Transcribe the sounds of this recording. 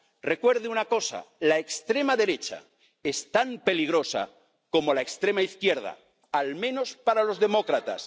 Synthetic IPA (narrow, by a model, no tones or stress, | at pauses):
re̞kwe̞ɾðeunako̞sa̰laekst̪ɾe̞maðe̞ɾet͡ʃa̰ | e̞st̪ampe̞liɣ̞ɾo̞sa̰ | ko̞mo̞laekst̪ɾe̞maiθkje̞ɾð̞a̰ | almẽ̞no̞spaɾalo̞zðe̞mokɾat̪a̰s